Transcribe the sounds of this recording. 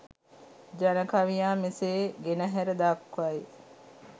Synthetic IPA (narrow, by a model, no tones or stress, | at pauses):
d͡ʒanəkaʋijaːmeseːɡenəɦæɾəd̪aːkʋaj